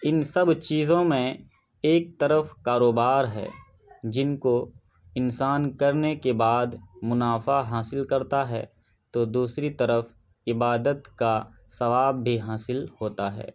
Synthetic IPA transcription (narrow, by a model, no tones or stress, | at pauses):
ɪnsɐbt͡ʃiːzõmẽ | eːk̚t̪əɾəfkaːɾoːbaːɾɦɛ̰ː | d͡ʒɪnko | ɪnsaːnkɐɾnekebaːd̪mʊnaːfaɦaːsɪlkɐɾt̪aɦɛ̰ː | t̪od̪uːsɾit̪ɐɾəf | ɪbaːd̪ət̪ka | sɐʋaːbːʱiɦaːsɪlhoːt̪aɦɛ̰ː